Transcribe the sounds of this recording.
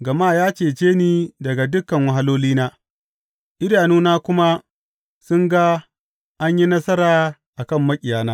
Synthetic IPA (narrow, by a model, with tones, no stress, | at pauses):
ɡɐ˨maː˦jaː˦t͡ʃeː˨t͡ʃeː˦niː˦dɐ˨ɡa˨dʊ˦kːɐ˨ŋwɐ˨˦ɦa˦loː˦liː˦naː˦ | ʔɪ˦daː˨nuː˦naː˦kʷʊ˦ma˦ | sʊ˦ŋɡa˦ | ʔa˦ɲji˦nɐ˦sɐ˦ɾaː˨ʔa˨kɐ˦˨mːɐ˦kʲʼɪ˨jaː˦naː˦